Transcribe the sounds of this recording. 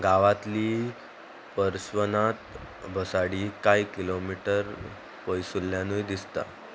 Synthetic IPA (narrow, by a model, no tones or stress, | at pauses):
ɡaʋat̪liː | pəɾsʋənat̪ | bʱəsaɽiːkaikilomiʈəɾ | pəjsulːjãnujd̪ist̪a̰